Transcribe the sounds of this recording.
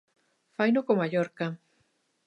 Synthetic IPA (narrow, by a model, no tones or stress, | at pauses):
fajnʊkomaʎɔɾka